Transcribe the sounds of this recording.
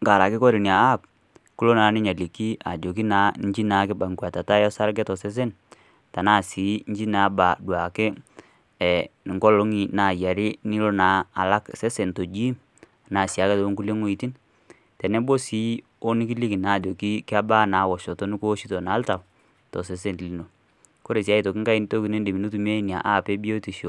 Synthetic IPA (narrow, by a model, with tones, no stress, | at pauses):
ŋɡa˨la˨kɪ˦kɔ˦ɾi˨ni˨aː˨˦˨p̚ | ku˦lo˦na˨˦nɪ˦ɲa˨li˨ki˦ʔa˨d͡ʒo˨k̬i˦na˨˦ɲd͡ʒi˦na˨˦kɛ˦ba˨ŋkwa˨ta˨ta˦jɔ˦sa˦ɾɡɛ˦tɔ˨sɛ˦s̬e˦n | ta˨naː˦˨si˨˦ɲd͡ʒi˦na˨˦ba˨dwa˨kɛ˦ | ɛ˨ni˨ŋɡɔ˦lo˦ŋi˨na˨ja˨ɾɪ˦ni˦lɔ˦naː˨˦˨la˦ksɛ˦se˨nto˨d͡ʒi˦˨ | na˨sja˨˦kɛ˦to˦ŋku˦le˦ŋo˦i˨ti˦n | tɛ˨nɛ˦bo˦si˨˦ | o˦ni˦ki˦li˦ki˨na˨do˨ki˦ki˦a˦ba˦na˨˦wɔ˨ʃɔ˨tɔ˦ni˦ko˦ʃi˦tɔ˨naː˨˦lta˨w | tɔ˨s̬ɛ˨s̬e˦ntli˨no˨ | ko˦ɾe˨s̬ja˦i˨tɔ˨ki˦ŋka˦i˦ni˦to˦ki˨ne˦ndi˨mi˨nu˦tu˨m˦e˦i˦n˨a˨ʔa˦˨pe˦bi˦o˦ti˨ʃo˨